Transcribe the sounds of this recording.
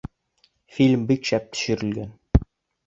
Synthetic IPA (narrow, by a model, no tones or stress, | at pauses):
filʲmbikʃæp̚t̪ʰɵ̥̆ʃɵ̆ɾɘ̆lɡæn